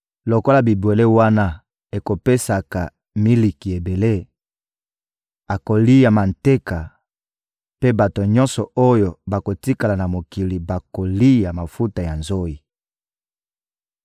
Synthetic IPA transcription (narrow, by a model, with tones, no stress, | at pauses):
lo˨ko˦la˨bi˨bwe˨le˦wa˦na˦ | e˨ko˨pe˦sa˨ka˨ | mi˦li˨ki˨e˨be˨le˦ | a˨ko˨li˦ja˨ma˨nte˦ka˨ | pe˦ba˨to˨ɲɔ˦nsɔ˨o˦jo˨ba˨ko˨ti˦ka˨la˨na˨mo˨ki˨li˨ba˨ko˨li˦ja˨ma˨fu˦ta˨ja˨nzo˦i˨